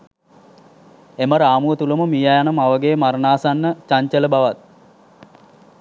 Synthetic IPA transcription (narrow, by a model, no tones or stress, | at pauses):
eməɾaːmuʋət̪uləməmijajanəmaʋəɡeːmaɾnaːsanːət͡ʃaɲt͡ʃələbaʋat̪̚